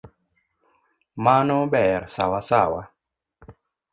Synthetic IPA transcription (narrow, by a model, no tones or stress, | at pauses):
manɔbɛɾsa̰wasawa